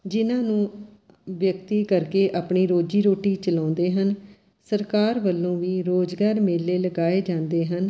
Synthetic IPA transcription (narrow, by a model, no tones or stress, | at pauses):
d͡ʒɪnãːnũː | ʋjəkt̪iːkəɾkeːʔaːpɳiːɾoːd͡ʒiːɾoːʈiːt͡ʃəlãːnd̪eːɦən | səɾkaːɾʋəlːõːʋiːɾoːd͡ʒɡaːɾmeːlːeːləɡaːeːd͡ʒãːnd̪eːɦən